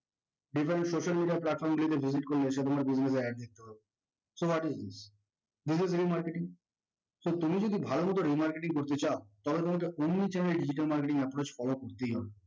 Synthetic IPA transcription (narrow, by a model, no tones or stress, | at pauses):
ɖifaɾeɳʈsoʃalmiɖiaplaʈ̚fɔɾmbilit̪̬ebʱiziʈ̚koɾleeʃ̬et̪omaɾbiznes̬aaɾd̪it̪ːeɦɔbe | sowɔʈizd̪is | d̪is̬izɾimaɾkeʈiŋ | sot̪umid͡ʑod̪ibʱalomut̪̬oɾimaɾkeʈiŋkoɾt̪et͡ɕaot̪ɔbet̪omak̬eʔonːit͡ɕɛnelɖid͡ʑiʈ̬almaɾkeʈiŋɛpɾot͡ɕfɔlokoɾt̪ejɦɔbe